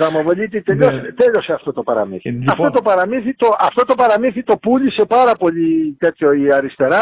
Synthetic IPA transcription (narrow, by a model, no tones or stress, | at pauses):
ðɐmovolit̪it̪eʎost̪eʎo̞seɐft̪ot̪o̞pɐɾɐ̰mḭθiɐfto̞t̪o̞pɐɾɐmiθit̪o̞ɐft̪ot̪o̞pɐɾɐmiθit̪o̞pulise̞pɐɾɐpo̞ʎit̪et̪çoiɐɾist̪e̞ɾɐ